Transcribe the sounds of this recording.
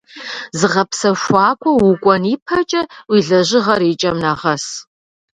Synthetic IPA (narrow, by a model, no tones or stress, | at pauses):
zɨʁɐpsɐʃʷɑːkʷʰʼɔwukʷʼɔniːpʰɐt͡ʃʼɐwiːɮɐʑɪʁɐɾiːt͡ʃʼɐmnaːʁɐs